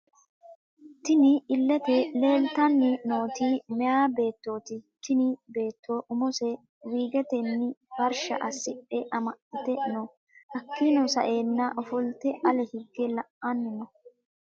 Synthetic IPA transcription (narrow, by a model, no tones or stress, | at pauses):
t̪ɪnɪɪlːɛt̪ɛle̞ːlt̪ɐnːɪnoːt̪iːmɛjaːbe̞ːt̪ːo̞ːt̪ɪt̪ɪnɪbe̞ːt̪ʰːoːʔʊmɔsɛ | wiːɡɛt̪ɛnːɪb̥ɐɾʃɐʔɐsɪpʼːɛʔɐmɐʔɪt̪ɛnɔ | ʔɐkːɪnɔsɐʔe̞ːnːɐʔɔfɔlt̪ɛʔɐlɛhɪɡːɛlɐʔʔɐnːɪnɔ